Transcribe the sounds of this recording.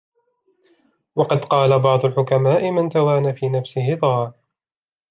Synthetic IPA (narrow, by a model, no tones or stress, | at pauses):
wɑqɑd̪qɑːlabɑʕd̪ˤʊlħʊkamaːʔɪmant̪awaːnafiːnafsɪɦɪt̪ˤɑɑɾ